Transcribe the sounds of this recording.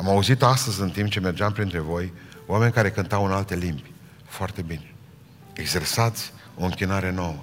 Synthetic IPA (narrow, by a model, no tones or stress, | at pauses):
amauzit̪oast̪əzʲɨnt̪imp̚t͡ʃe̞me̞rd͡ʒeampɾint̪ɾe̞vo̞joame̞nʲkaɾe̞kɨnt̪awɨnalt̪e̞limbʲ | foart̪e̞bine̞̥ | eɡze̞rsat̪sʲ | o̞ɨŋkʲinaɾe̞no̞wə